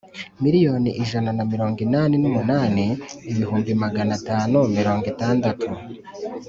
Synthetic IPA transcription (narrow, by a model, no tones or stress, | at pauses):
miɾijo̞ːniʔiʒananamiɾo̞ːŋɡinaːninumunaːniːβihuːmbimaɡanataːnumiɾo̞ːŋɡitaːndatʰu